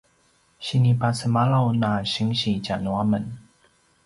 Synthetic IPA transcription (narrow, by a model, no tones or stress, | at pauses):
ɕinipasəmalawnaɕiŋɕit͡ɕanwamən